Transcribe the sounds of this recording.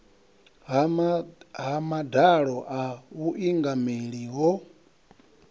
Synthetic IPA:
ɦamadaɺɔʔauʔiŋɡameɺiɦɔ

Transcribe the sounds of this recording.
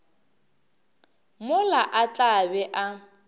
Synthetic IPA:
mʊlaʔat͡ɬʼabɛʔa

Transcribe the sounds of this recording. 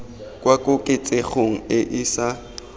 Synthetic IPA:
kʼwakʼʊkʼɪt͡sʼeχoŋ̩ɪʔɪsa

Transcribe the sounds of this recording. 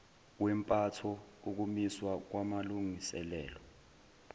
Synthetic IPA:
wɛmpʼatʰɔuk̬umiswak̬wamaluŋisɛlɛ̰ːlɔ

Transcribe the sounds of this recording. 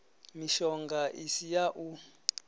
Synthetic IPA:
miʃɔŋɡʱaʔisijaʔu

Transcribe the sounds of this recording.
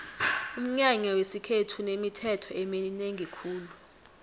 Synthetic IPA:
um̩ɲaɲawesikʰetʰunemitʰɛtʰɔɛmelineŋʱikʰuːlu

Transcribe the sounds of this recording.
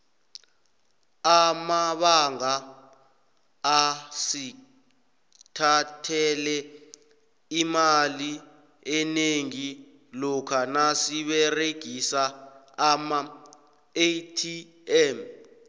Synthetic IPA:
amaɓaŋa | si | tʰatʰɛlɛ | imali | ɛneŋi | lɔkʰanasiɓɛreɡ̥ʱisaː | ma | etʰi | ɛm

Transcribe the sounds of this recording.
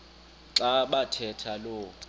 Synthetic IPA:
ǀaɓatʰɛtʰalo

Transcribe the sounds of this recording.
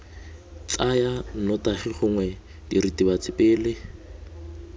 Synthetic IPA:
t͡sʼajan̩nɔtaχiχʊŋwɛ | diɾitibat͡sɪpʼɪːlɪ

